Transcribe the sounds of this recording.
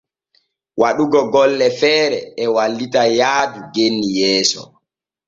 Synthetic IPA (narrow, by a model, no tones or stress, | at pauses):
wʔaɗuɡɔɡɔlːɛfɛːɾɛɛwalːitajaːduɡenːijɛːsɔ̰